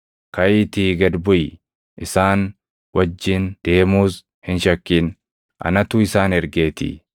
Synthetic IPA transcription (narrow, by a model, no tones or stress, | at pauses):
kɐjt̪iːɡɐd̪bʊj | ʔɪsaːn | wɐd͡ʒːɪnd̪̥e̞ːmuːs | hɪnʃɐkːiːn | ʔɐ̰nɐt̪ʊɪsaːnɛɾɡe̞ːt̪ɪ̰